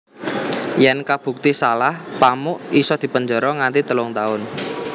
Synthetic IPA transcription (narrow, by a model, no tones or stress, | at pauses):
jɛnkab̥ṳk̚t̪isalahpamʊʔisɔd̪̥i̤pəɲd͡ʒɔ̤ɾɔŋant̪it̪əlʊŋt̪aʊn